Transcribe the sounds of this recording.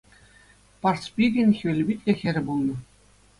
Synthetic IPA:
pɑrspʲiɡʲɘ̆nʲxʲiɘ̆lʲbʲit̪ʲlʲĕxʲɘ̆ɾʲɘ̆bulˠnɤ̆

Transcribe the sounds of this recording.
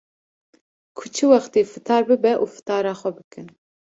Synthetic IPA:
kʰu̥t͡ʃʰiwɑxt̪eːfɨt̪ʰɑːɾbɨbɛʔuːfɨ̥t̪ʰɑːɾɑːxʷɛbɨkɨn

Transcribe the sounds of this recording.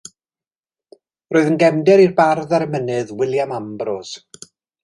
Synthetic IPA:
roːɨðənɡɛmdɛɾirbarðaɾəmənɨðwɪlˠjamambroz̥

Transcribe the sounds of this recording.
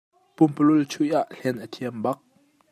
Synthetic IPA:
pʊmpəlʊlt͡sʰujʔaʔɬɛnʔət̪ʰiəmbɐk̚

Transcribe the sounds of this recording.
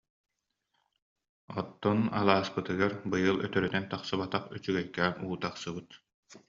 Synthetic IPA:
ɔt̪ːɔna̰lˠaːspɯt̪ɯɡaɾbɯjɯlˠœt̪œɾœt̪ɛnt̪aqsɯβat̪aχyt͡ʃyɡɛjkæːnuːt̪aqsɯbɯt̪

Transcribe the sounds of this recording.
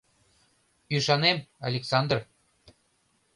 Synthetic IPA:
yʃɑnemɑ̰lʲeksɑnd̪r

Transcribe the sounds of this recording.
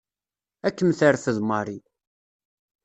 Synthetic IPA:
ækːəmθəɾfəðmɑɾˤi

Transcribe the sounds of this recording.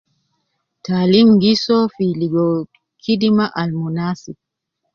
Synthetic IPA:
tʰaːlimŋɡisɔfiliɡɔ | kʰidimaʔalmunaːsip̚

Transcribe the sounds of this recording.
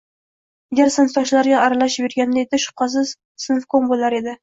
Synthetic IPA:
aɡʲaɾsɪnft̪ɒʃlaɾɡʲaːɾalaʃbeɾɡʲand̪aed̪ɪʃʊ̥q̚qɑs̬ɪz | sɨnfkonbolˠaɾe̞d̪ɪ

